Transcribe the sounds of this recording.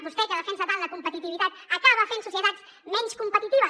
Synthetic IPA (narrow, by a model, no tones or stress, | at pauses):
pust̪ɛkəðəfɛnsət̪alˠd̪əkumpət̪it̪iβit̪at̪əkaβ̞əfensusjət̪at͡s | mɛnskumpət̪it̪iβ̞ə